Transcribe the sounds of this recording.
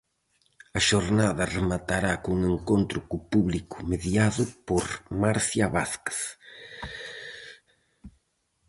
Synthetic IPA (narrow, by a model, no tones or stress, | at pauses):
ɐʃoɾnaðɐremat̪aɾakuŋeŋkont̪ɾʊkʊpuβlikʊ̥meðjaðʊpoɾmaɾsjaβaθke̥s